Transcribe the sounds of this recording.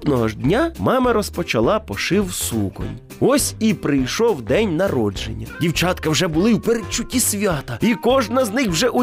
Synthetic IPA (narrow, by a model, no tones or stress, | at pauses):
nɔɦɔʒd̪ʲnʲamɑmɐɾɔspɔt͡ʃɐlˠɑpɔʃɪwsukɔ̰nʲ | ɔsʲipɾɪjʃɔwd̪ɛnʲnɐɾɔd͡ʒḛnʲːɐdʲiwt͡ʃɑt̪kɐwʒɛbʊlˠɪwpeɾet͡ʃːʊtʲisʲʋʲat̪ɐikɔʒnɐznɪxwʒɛʔʊ